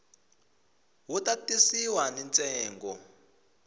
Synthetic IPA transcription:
ɦutatisiwanɛnt͡sʼɛːŋɡɔ

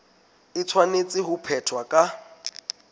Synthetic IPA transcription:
ɪt͡sʰwanet͡sʼɪɦʊpʰɛtʰwakʼa

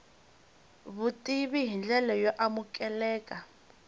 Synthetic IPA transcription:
βutiβiɦind͡ɮɛlɛjɔʔamukʼɛlɛːkʼa

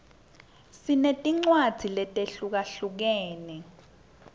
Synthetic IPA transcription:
sinetʼiŋ͡ǀwad̥ʱilɛtʼeɬuk̬aɬuk̬ɛːnɛ

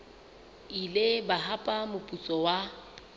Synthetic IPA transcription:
ilebaɦapʼamʊpʼut͡sʼɔwa

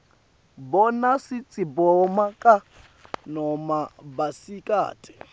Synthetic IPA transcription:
bɔnasit͡sʼibɔmakʼa | nɔmabasikʼa̰ːtʰʼɛ̥

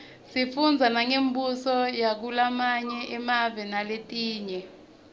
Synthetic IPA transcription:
sifund͡zʱanaŋembʱusɔjak̬ulamaɲɛʔɛmavɛnaletʼiːɲɛ

